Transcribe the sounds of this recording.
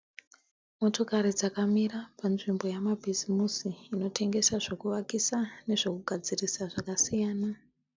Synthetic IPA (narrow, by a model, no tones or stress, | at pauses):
mo̞to̞kaɾid͡zakamirapanʐimbo̞jamabʱizimusiːno̞tʰe̞ŋɡe̞saʐokuʋakisane̞ʐo̞kuɡʱad͡zirisaʐakasijaːna